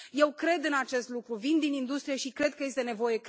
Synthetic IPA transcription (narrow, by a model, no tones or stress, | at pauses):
je̞wkɾe̞d̪ɨnat͡ʃe̞st̪lukɾuvind̪inind̪ust̪ɾijeʃikɾe̞d̪̚kəje̞st̪e̞ne̞vo̞je̞k